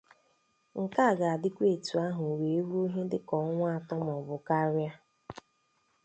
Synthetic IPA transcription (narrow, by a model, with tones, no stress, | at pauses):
ŋ̩˨ka˦a˨ɡa˨a˨dɪ˦kʷe˦˨tu˨a˦ɦʊ˨we˨e˦ɾu˦o˦ɦe˦dɪ˦kɔ˨˦ŋʷa˦a˨tɔ˦m˨ɔ˨bʊ˨ka˦ɾja˦